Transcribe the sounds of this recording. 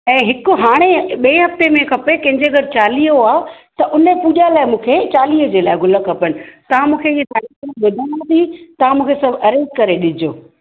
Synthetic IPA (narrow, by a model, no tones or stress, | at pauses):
ɛ̃ːɦɪkʊɦaːɽ̃eɓiːɦɐft̪emẽkʰɐpekɐ̃ɦɪ̃ɲd͡ʑeɐɡəɾt͡ɕaːliːɦoaː | t̪ɐʔʊnepuːʄalaːɪmũːkʰet͡ɕaːliːɦəd͡ʑeːlaːɪɡʱʊləkʰɐpənɪ̆t̪ɐʋ̤ãmũːkʰeiɦet̪aːɾiːkɐɾãʋɪd̪ʱaːnat̪ʰit̪ɐʋ̤ãmũːkʰesɐbʱɐɾeːkkɐɾeɗɪd͡ʑoː